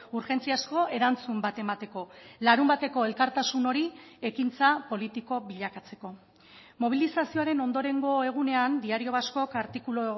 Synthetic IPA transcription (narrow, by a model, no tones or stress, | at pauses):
uɾxe̞nt͡siasko̞ʔe̞ɾant͡sumbat̪e̞mat̪e̞ko̞laɾumbat̪e̞ko̞e̞lkaɾt̪asuno̞ɾie̞kint͡sapo̞lit̪iko̞βiʎakat͡se̞̥ko̞ | mo̞β̞ilisasio̞aɾe̞no̞nd̪o̞ɾe̞ŋɡo̞e̞ɣ̞une̞and̪iaɾio̞βasko̞kaɾt̪ikulo